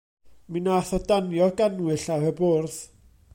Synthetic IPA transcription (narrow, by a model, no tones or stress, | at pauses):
minaθɔdanjɔɡanwɨɬahəbʊrθ